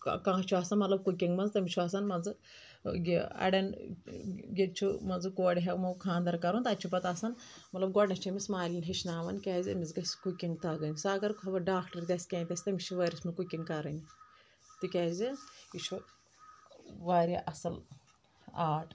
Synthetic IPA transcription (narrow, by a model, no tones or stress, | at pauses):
kãːt͡ʃʰuasɐnmɐt̪lɐb̚kukʲiŋɡmɐnzt̪ɐmʲit͡ʃʰuasɐnmɐnzɨ | ɡʲiɐ̰ɽɐn | ɡʲet͡ʃʰumɐnzɨkoːɽʲiɦɐkmɐkʰaːnd̪ɐɾkɐɾunt̪ɐt͡ʃʰubɐt̪asɐn | mɐt̪lɐbɡɔɽnɐ̃t͡ʃʰimismaːlʲinʲɦɐʃʰnaːʋɐ̰nkʲaːzʲḭmʲizɡɐsʲkukʲiŋɡt̪aɡɐnʲisaɡɐɾkɐbɐɖaːkʈɐɾd̪ʲɐsʲkʲẽːnʲt̪ʲɐsʲt̪ɐmʲit͡ʃʰiʋɐːɾʲismukukʲiŋɡkɐɾɐnʲi | t̪ikʲaːzʲiit͡ʃʰu | ʋaːɾʲiʔɐsɐl | aːʈʰ